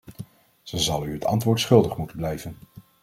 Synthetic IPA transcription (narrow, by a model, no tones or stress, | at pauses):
z̥əzɑlˠyɦətʰɑ̰ntʋʊːɹtsχɵlˠdəχmutənblɛjvən